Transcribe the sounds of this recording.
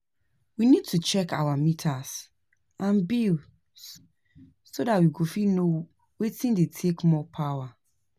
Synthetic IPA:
winid̚tʰut͡ʃɛka̰wamitʰas | ãnbil | sodatwiɡofino | wetĩndetʰekmɔpʰawa

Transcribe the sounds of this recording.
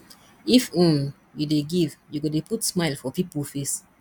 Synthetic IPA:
ifũm | judeɡivjuɡodeputsmaɪlfɔpipəlfes

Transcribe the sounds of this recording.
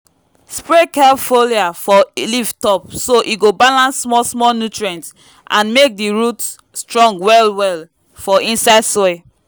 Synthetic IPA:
spɹekɛlfoliafɔliftɔp̚soʔiɡobalãnsːmɔsmɔlnjutɹiɛ̃nt | ʔã̰nmek̚diɹut | stɹɔ̃ŋɡwɛlwɛl | fɔʔĩnsaɪdsɔɪ

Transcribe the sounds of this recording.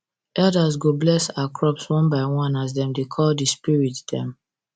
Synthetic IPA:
ʔɛldazɡoblɛsaakʰɹɔpswɔ̃nbaɪwɔ̃nas̬dɛ̃mdekʰɔldispiɹitd̥ɛ̃m

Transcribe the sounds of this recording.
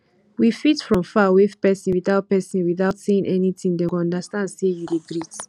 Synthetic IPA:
wifitfɹɔ̃mfawefpɛsĩwiθaʊt̚pɛsĩnwiθaʊtseĩŋʔɛnitĩŋdɛ̃ɔ̃ndastãndsejudeɡɹit

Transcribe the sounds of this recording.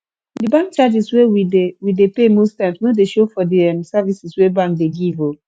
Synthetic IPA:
dibãŋk̚t͡ʃad͡ʒiswewidewidepemostɛ̃ɪ̃msnõdeʃofɔdiɛmsavisiswebãŋk̚deɡivo

